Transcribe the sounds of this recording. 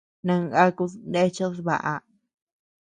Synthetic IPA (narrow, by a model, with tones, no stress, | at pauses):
nã˧ŋa˦ku˧nd̪e˦t͡ʃo˦sβa˨ʔa˧